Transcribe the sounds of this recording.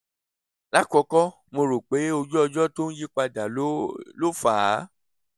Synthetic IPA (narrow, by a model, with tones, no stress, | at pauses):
la˦kɔ˧kɔ˦ | mõ˧ɾo˨k͡pe˨˦o˧d͡ʒɔ˦ɔ˧d͡ʒɔ˦to˦n̩˦ji˦k͡pa˧da˨˦lo˦faː˨˦